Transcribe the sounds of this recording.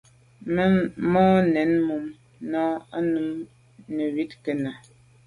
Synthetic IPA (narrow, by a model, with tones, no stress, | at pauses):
mɔ˦nɛ˨˦nmu˨m | nɔ˦a˦nu˨m | ne˨wi˦tke˨na˨